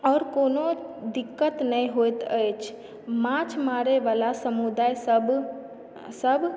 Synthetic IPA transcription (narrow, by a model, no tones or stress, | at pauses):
ɔːɾkoːnod̪ɪkːət̪nəĩɦojt̪əjt͡ʃʰ | mãt͡ʃʰmaːɾeʋaːlasəmud̪aːjb | səb